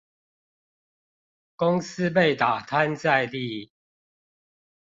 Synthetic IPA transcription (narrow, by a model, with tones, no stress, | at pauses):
kʊ˦ŋs̩˦p̬e˥˨ɪt̪a˨˩t̪ʰa˦nt͡sa˥˧ɪli˥˨